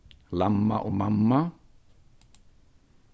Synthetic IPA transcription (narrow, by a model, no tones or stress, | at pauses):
lamːa̰ʔʊmamːa